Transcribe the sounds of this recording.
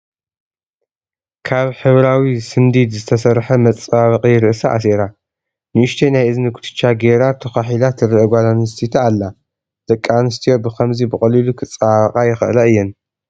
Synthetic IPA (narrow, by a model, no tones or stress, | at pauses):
kʰaβħɨβɾawisɨmd̪it̪zɨt̪ʰɐsɐɾħɐmɐt͡sʼaβɨqʼijɪɾɨʔsɐʔa̰s̬eɾa | nɨʔɨʃt̪ʰenajʔɨzɨnɨɡut̪ʰɨ̥t͡ʃːaɡeɾat̪ʰɐxaħilat̪ʰɨɾɨʔɡʷalamɨst̪ʰit̪ʰalːa | d̪̥ɐkʼːanɨst̪ʰijobɨkʰɐmzibɨχʼɐlilukʰɨt͡sʼːaqʼajɪxɨ̰ʔlɐɨjːɪn